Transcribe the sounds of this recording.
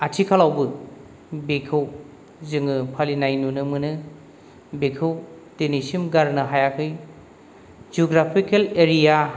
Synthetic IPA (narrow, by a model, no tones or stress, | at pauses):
atʰikʰalawbɯ | bekʰɯw | zɯŋɯpʰalinajnunɯmɯnɯ | bekʰɯwtenisimɡaɾnɯɦajakʰɯj | zioɡɾapʰikeleɾija